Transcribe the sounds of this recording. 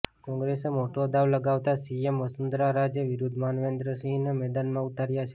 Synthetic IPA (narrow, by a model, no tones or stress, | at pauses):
kɔ̃ŋɡɾesemoʈod̪aʋləɡaʋt̪asiemʋəsənd̪ɾaɾad͡ʒjəʋɪɾud̪ʱmanʋẽnd̪ɾəsinemɛd̪anmãut̪aɾjat͡ʃʰe̥